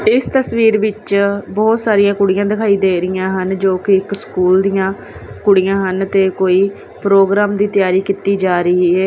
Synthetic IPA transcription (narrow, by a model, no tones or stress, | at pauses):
ɪst̪əsʋiːɾʋɪt͡ʃbɔːt̪saːɾɪjãːkʊɽijãːd̪ɪkʰaːiːd̪eːɾɪjãːɦənd͡ʒoːkɪɪkskuːld̪ijãː | kʊɽijãːɦənt̪eːkoːiː | pɾoːɡɾaːmd̪iːt̪ɪjaːɾiːkit̪iːd͡ʒaːɾəiːɦɛː